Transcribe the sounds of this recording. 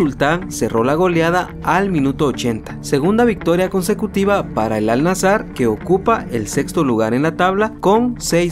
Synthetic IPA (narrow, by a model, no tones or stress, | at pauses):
ult̪aŋse̞rʔo̞laɣo̞ljað̞a | almĩnut̪oːt͡ʃe̞nt̪ḁse̞ɣund̪aβik̚t̪o̞ɾjako̞nse̞kut̪iβapaɾaelalnasaɾke̞okupaʔelse̞kst̪o̞luɣaɾe̞nlat̪aβlakonsej